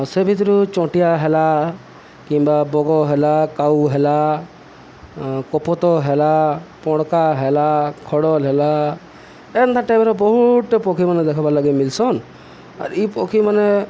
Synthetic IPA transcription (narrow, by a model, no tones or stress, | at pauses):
sebʱit̪ɔɾut͡ʃɔ̃ʈijaɦɛla | kimbabɔɡɔɦɛlakawɦɛla | kɔpɔt̪ɔɦelapɔ̃ɽkaɦelakʰɔɽɔlɦɛla | ɛnt̪ʰãʈebɛɾɔbɔɦuʈpɔkʰimaned̪ɛkʰɔbalaɡimilsɔn | a̰ɾipɔkʰimane